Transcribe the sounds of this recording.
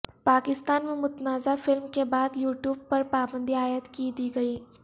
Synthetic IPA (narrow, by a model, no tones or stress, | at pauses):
paːkɪst̪aːnmẽmʊt̪naːzafɪlmkebaːd̪juːʈjuːb̚pɐɾpaːbə̃nd̪ʱiaːjət̪kid̪iːɡɐiː